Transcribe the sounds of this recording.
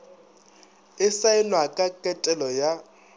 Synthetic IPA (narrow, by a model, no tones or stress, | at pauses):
ɪsaɪnwakʼakʼɛtʼɛlɔja